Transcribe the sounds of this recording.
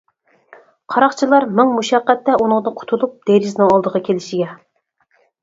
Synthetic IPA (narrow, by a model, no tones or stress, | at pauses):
qʰɑɾɑχt͡ʃʰilˠɑɾmɪŋmuʃɛqːæt̪ːɛunɨŋd̪ɨqʰʊ̥t̪ʰulˠup̚d̪̥eɾɪznɨŋɑlˠd̪əʁɑkʲʰelɪʃɪɡʲɛ